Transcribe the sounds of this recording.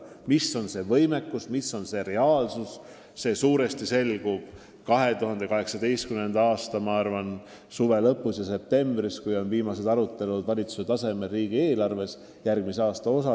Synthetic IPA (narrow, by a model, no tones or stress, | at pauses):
misːo̞nse̞vɤ̞jme̞kːˑusmisːo̞nse̞ɾe̞ɑːlsus | se̞ːsuːɾe̞st̪ise̞lɡ̥ub̥̚ | kɑɦe̞t̪uɦɑnd̪e̞kɑɦe̞ksɑd̪e̞jst̪kymːe̞nd̪ɑɑːst̪ɑmɑɑrvɑn | suve̞lɤpːˑusjɑse̞p̚t̪e̞mb̥ɾiskujo̞nviːmɑse̞d̪ɑɾut̪ːˑe̞lud̪vɑlʲit̪su̥set̪ɑse̞me̞ɾiːɡ̥ie̞ːlɑrve̞s | jærɡ̥̚mise̞ɑːst̪ɑo̞sɑ